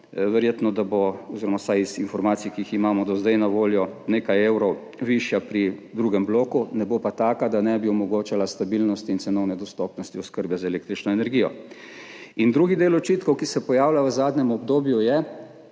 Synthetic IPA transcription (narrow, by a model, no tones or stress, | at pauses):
ʋɛɾjeːt̪nɔd̪aboɔziɾɔmasajizinfɔɾmaːt̪sijkiiximaːmɔd̪ɔzd̪ajnaʋoːljɔneːkajeːwɾɔw | ʋiʃjapɾid̪ɾuːɡɛmbloːkunɛbopat̪aːkad̪anɛbiɔmɔɡoːt͡ʃalast̪abilnɔst̪iːnt̪sɛnɔwnɛd̪ɔst̪ɔpnɔst̪iɔskəɾbɛzaeleːk̚t̪ɾit͡ʃnɔɛnɛɾɡijɔ̰ | ind̪ɾuːɡid̪eːlɔt͡ʃiːt̪kɔwkisɛpɔjaːwlʲjaʋəzaːd̪nʲɛmɔb̚d̪oːbjujɛ